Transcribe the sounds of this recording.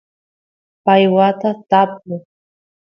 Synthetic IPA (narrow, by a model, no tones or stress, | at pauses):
pajwat̪at̪aplʊ